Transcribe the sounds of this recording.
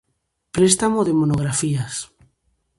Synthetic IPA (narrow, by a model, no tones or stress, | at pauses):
pɾest̪amoðemonoɣ̞ɾafias